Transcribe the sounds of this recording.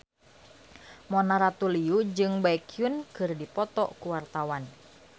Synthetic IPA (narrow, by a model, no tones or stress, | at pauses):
mɔnaɾat̪uliud͡ʒɨŋbaikʰijunkɨrdipɔt̪ɔkuwart̪awan